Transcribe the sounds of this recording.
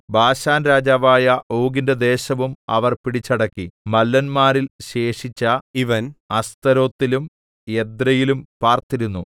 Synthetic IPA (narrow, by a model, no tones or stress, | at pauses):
bʱaːɕaːnɾaːd͡ʑaːʋaːjɐʔoːɡindɐd̪e̞ːɕɐʋumɐ̰ʋɐrpiɽit͡ɕːɐɽɐkːimɐlːɐnmaːɾilɕe̞ːʂit͡ɕːɐiʋɐnɐst̪ɐɾo̞ːt̪ːilum | ed̪ɾɐjilumpaːrt̪iɾunːu